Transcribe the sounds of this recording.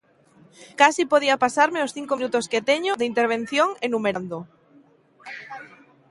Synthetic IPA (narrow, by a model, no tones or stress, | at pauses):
kasipoð̞iapasaɾmeosθiŋkominut̪osket̪eɲoðeint̪eɾβ̞en̟θjoŋenumeɾand̪o